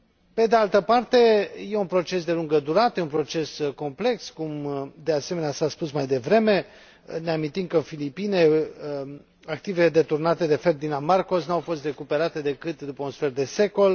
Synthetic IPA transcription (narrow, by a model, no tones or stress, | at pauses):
pe̞d̪ealt̪əpart̪e̞jeunpɾo̞t͡ʃe̞sd̪e̞luŋɡəd̪uɾat̪əjeunpɾo̞t͡ʃe̞sko̞mple̞kskumd̪e̞aseme̞neasaspusmajd̪e̞vɾe̞me̞ | neamint̪imkəɨnfilipine | ak̚t̪iveled̪e̞t̪urnat̪e̞d̪e̞ferd̪inamarko̞snuawfo̞st̪re̞kupe̞ɾat̪e̞d̪e̞kɨt̪d̪upəunsfe̞rd̪e̞se̞ko̞l